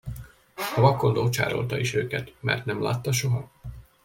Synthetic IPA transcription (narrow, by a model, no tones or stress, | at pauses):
ɒvɒkːo̞nd̪oːt͡ʃa̰ːɾo̞̰lt̪ɒiʃøːkɛt̪mɛ̰rt̪nɛmla̰ːt̪ːɒʃo̞ɦɒ